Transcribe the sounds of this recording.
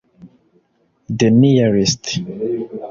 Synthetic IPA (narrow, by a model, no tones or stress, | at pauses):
d̪enijaɹist̪